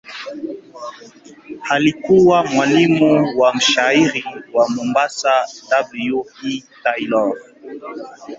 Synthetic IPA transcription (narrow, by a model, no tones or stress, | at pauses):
halikuwamwalimuwam̩ʃaiɾiwamɔmbasadablijuitajlɔɾ